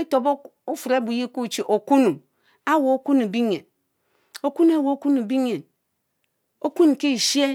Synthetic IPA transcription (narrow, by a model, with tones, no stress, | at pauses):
e˦to˨bu˦fu˨ɾe˦bu˨ji˦ku˦˨t͡ʃi˨ʔo˨ku˦nu˨ | a˦wo˨o˦ku˦nu˨bi˦ɲe˨n | o˨ku˦nu˦a˦˨wo˨o˦ku˦nu˨bi˦ɲe˨n | o˦ku˦n˨ki˦˨ʃe˦